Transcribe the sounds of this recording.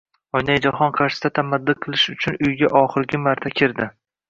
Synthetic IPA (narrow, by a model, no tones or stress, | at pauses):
ɒjnajd͡ʒaχɒnqʰɑɾʃɪ̥d̪at̪ʰamad̪ːɨqʰɨlˠɪʃʊt͡ʃʰʊnʊjɡʲaʔɒχɨɾɡʲɪmaɾt̪ʰakʲʰɪɾd̪ɪ